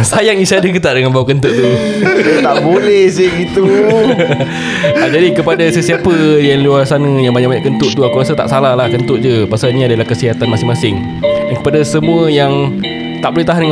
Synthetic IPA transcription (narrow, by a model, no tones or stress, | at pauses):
sajaŋisiadəkət̪aʔdəŋanbawakənt̪ʊʔt̪uat̪aʔbolɛhsɪhɡit̪u | ad͡ʒadikəpadasəsiapəjanluarsanə̃jaŋbaɲaʔbaɲãʔkːənt̪ʊʔt̪uakuɾasət̪a̰ʔsalahlahkənt̪ʊʔ̚d͡ʒəpasaniadalahkəsiɦat̪anmasɪŋmasɪŋ | dankə̥padasəmũəjaŋ | t̪aʔbolɛht̪aɦandəŋ